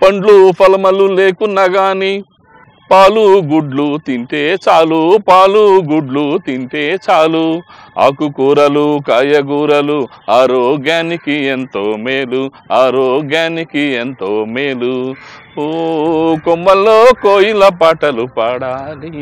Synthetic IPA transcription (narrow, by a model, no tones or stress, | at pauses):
pɐɳɖlupʰɐlmɐlule̞ːkunːɐɡaːni | paːluɡuɖlut̪iɳʈeːt͡ʃaːlupaːluɡuɖlut̪iɳʈeːt͡ʃaːlua̰ːkukuːɾɐlukaːjɐɡuːɾɐluaːɾoːɡjaːnikient̪oːmeːlu | aːɾoːɡjaːnikient̪oːmeːlu | komːɐlːoːkoːjilɐpaːʈɐlupaːɽaːli